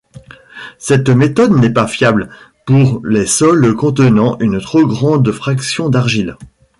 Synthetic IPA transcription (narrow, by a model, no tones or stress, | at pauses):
sɛt̪met̪ɔd̪nɛpafjabl | puʁlesɔlkɔ̃t̪ənɑ̃ʔynt̪χoɡʁɑ̃d̪fχaksjɔ̃d̪aʁʒil